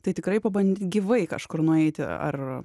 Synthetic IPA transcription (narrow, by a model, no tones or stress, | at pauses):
t̪ɐɪt̪ʲɪkɾɐɪpɐbɐnʲd̪ʲiːt̪ɡʲiʋɐɪkɐ̰ʃkʊrnʊɛɪt̪ʲɪ̰ɐ̰r